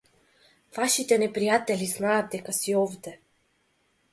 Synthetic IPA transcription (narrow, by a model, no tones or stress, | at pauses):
vaʃit̪ɛnɛpɾijat̪ɛliznaːd̪̚d̪ɛkasiɔvd̪ɛ